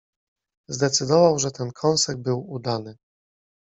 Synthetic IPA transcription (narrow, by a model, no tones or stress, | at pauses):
zd̪ɛt̪sɘd̪ɔvawʐɛt̪ɛnkʰɔ̃w̃sɛɡbɘwud̪anɘ